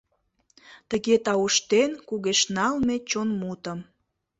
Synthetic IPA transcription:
t̪əɣet̪ɑuʃt̪enkuɣeʃnɑlmet͡ɕonmut̪ə̆m

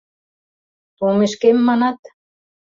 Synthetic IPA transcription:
t̪omeʃkemːɑnɑt̪

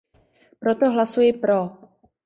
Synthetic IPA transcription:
pɾo̞t̪oɦlasujɪpɾo

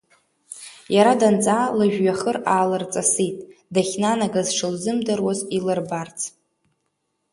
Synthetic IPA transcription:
jaɾadant͡sʼalɨʒᶣɥaχəraːlɨrt͡sʼasitʼdaχʲnanaɡazʂɨlzɨmdɨrwazilɨrbart͡sʰ

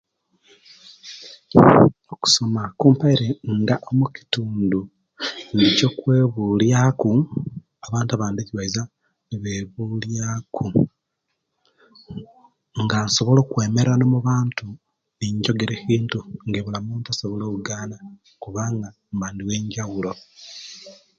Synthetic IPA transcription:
oku̥so̞makuːmpaiɾeŋɡaʔomuci̥tuːndu | neco̞kweːβuljaku | aβaːntaβaːndeciβaiza | βeːβuljakʰu | ŋɡanso̞βo̞lo̞ːkwe̞ːme̞ɾanomuβaːntu | eɲɟo̞ɡeɾehiːntuŋɡeβulamuːntasoβo̞loːkuɡaːna | kuβaŋɡa | mbaːndiweːɲɟaɣulo̞

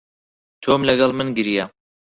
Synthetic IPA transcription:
t̪ʰomlɐɡɑlˠmɨnɡɨɾija

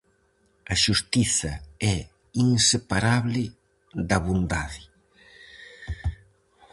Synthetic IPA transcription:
ɐʃust̪iθɐɛ | iŋsepaɾaβlɪ | d̪ɐβund̪aðɪ

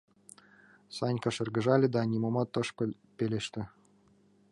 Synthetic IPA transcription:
sɑnʲkɑʃɤ̆rɡɘ̆ʒɑlʲɘ̆d̪ɑnʲimomɑt̪ɤ̆ʃpɤ̆lʲ | pʲelʲeʃt̪ʲɘ̆

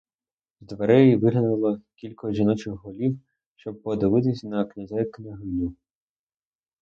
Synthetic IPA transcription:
zd̪ʋeɾɛjiʋɪɦlʲɐnʊlˠɔkʲilʲkɔʒinɔt͡ʃɪxɦɔlʲiw | ʃt͡ʃɔb̚pɔd̪ɪʋɪt̪ɪsʲɐnɐknʲɐzʲɛknɪɦɪnʲu

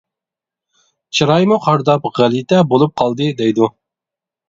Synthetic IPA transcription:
t͡ʃʰɨɾɑjmuqʰɑɾd̪ɑpʁælit̪ʰɛbolˠup̚qʰɑlˠd̪ɨd̪ɛjd̪u

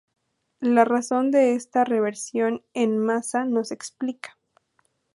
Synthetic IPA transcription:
laraso̞nd̪e̞est̪are̞βe̞ɾsjo̞ne̞nmasano̞se̞ksplikḁ

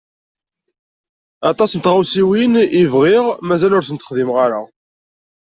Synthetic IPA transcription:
ɑt̪ˤɑsənt̪ʁawsiwinivʁɪʁmæzælʊɾθənt̪ə̥χðimʁaɾa

